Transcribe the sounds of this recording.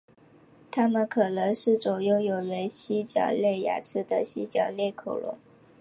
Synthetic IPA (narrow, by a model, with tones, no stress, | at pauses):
t̪ʰa˥mə˨nkʰɤ˨˩nɤ˧˥ŋʂɻ̩˥˩t͡sɔ˨˩jo˥˩ʊjo˨˩ʊlwe˧˥ɪɕi˥t͡ɕjɑ̰˨˩ʊle˥˩ɪja̰˨˩t͡sʰɻ̩˥˩d̪ə˨ɕi˥t͡ɕjɑ˨˩ʊlɛ˥˩kʰo˨˩ʊlʊ̰˧˥˦ŋ